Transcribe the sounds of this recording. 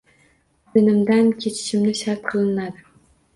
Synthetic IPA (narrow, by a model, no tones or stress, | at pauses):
b̪enɪmd̪ankʲʰet͡ʃʰɪ̥ʃɪmnɪʃaɾt̪̚qʰɨlˠɪnad̪ɪ